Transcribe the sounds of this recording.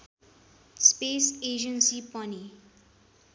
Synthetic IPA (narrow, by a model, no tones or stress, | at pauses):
spesed͡ʒʌnsipʌni